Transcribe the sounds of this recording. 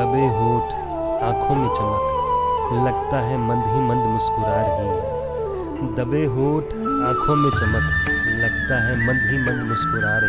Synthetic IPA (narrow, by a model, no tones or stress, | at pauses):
əbeɦoːʈʰ | ãːkʰomẽt͡ʃəmək | lɐɡt̪aɦɛmə̃nd̪ʱɦimə̃nd̪mʊskʊɾaːɾəɦĩ | d̪əbeɦoːʈʰ | ãːkʰomẽt͡ʃəməklɐɡt̪aɦɛmɐ̃nd̪ʱimə̃nd̪mʊskʊɾaːɾ